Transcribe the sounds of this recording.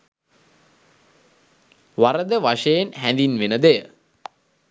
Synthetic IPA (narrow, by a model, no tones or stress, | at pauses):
ʋaɾəd̪əʋaʂejenɦænd̪inʋenəd̪ejə